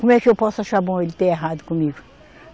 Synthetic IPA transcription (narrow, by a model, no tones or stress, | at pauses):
kõmʊɛkɪewpɔsʊaʃaɾbõelɪt̪eeɦad̪ʊkõmiɡʊ